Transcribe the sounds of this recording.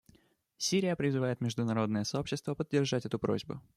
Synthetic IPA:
sʲiɾʲɪjəpɾʲɪzɨvaɪt̪mʲɪʐd̪ʊnɐɾo̞d̪nəjəsɐo̞pɕːɪst̪vəpədʲːɪrʐatʲɛt̪ʊpɾo̰zʲbʊ̰

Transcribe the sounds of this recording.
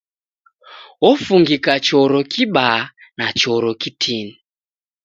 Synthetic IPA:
wɔfuŋɡikat͡ʃɔɾokʰiɓanat͡ʃɔɾokitʰiːni

